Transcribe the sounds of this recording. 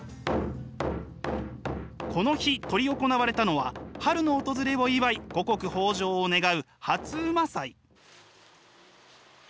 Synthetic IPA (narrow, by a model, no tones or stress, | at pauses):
kʰo̞no̞çit̪o̞ɾʲio̞ko̞naβaɾe̞t̪ano̞βahaɾɯ̟no̞ːt̪o̞zɨɾe̞βo̞iβaiɡ̥o̞ko̞kɯ̟ho̞ːʑo̞ːne̞ɡaɯ̟ | hat͡sɨːmasai